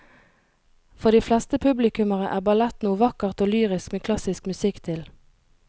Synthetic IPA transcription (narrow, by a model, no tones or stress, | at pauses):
fɔʁd̪iːflɛst̪əpʰʉblɪkʉməʁəʔæːʁbɑlɛt̪nuːʋɑkəʁt̪oːlyːʁɪskmeːkʰlɑsɪskmʉsɪkt̪ʰɪl